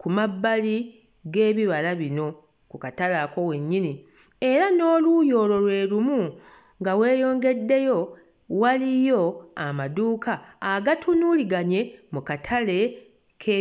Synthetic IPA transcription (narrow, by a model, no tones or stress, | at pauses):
kumabːali | ɡe̞ːβiβalaβino̞ | kukatalako̞we̞ɲːini | e̞ɾano̞ːlujo̞ːlo̞lwe̞ːlumu | ŋɡawe̞ːjo̞ːŋɡe̞dːe̞jo̞ | walijo̞amaduːkʰaːɡatʰunuliɡaɲe̞mukatʰale̞ | kʰe